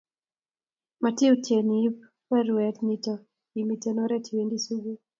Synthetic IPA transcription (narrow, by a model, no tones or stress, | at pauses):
matiutɛnip | pɛɾuɛtnitɔ | imitɛnɔɾɛtʰiwɛndisuɡu